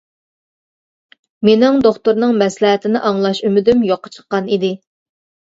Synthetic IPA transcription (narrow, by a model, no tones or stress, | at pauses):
menɪŋd̪oχt̪oɾnɨŋmɛslɛɦɛt̪ʰɪnɪʔɑŋlˠɑʃymɪd̪ymjoqʰːɑ̥t͡ʃʰə̥qːɑnid̪ɪ